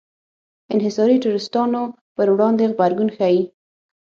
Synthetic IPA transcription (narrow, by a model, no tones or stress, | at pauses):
ɪnɦɪsɑɾiʈuɾɪst̪ɑno | pəɾwɽɑnd̪eɣbaɾɡunxaji